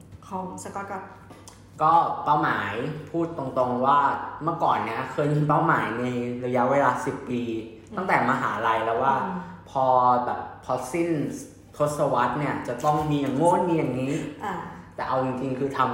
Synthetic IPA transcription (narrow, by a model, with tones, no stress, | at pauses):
kʰɔː˩˦ŋsa˧k̚ː | kɔː˥˩paː˥˩wmaː˩˦jpʰuː˥˩t̪ːo˧ŋt̪o˧ŋwaː˥˩mɯ˥˩kɔː˨˩nːi˦˥ɐkʰɤː˧ji˧np̬a˥˩wmaː˩˦jna˧jɾa˧ja˦˥ʔweː˧laː˧si˨˩pːiː˧ | t̪a˥˩ŋt̪ɛː˨˩maː˧ɦa̰ː˩˦la˧jlɛː˦˥waː˥˩pʰɔː˧bɛː˨˩pʰːɔ˧si˥˩n | t̪ʰo˦˥t̪̚sa˧wa˦˥t̪̚ni˥˩ɐt͡ɕa˨˩t̪ɔ˥˩ŋmiː˧ja˨˩ŋːoː˥˩˨nmiː˧ja˨˩ŋːiː˦˥˧ | t̪ɛː˨˩ʔa˧wt͡ɕi˧ŋt͡ɕi˧ŋkʰɯː˧t̪ʰa˧m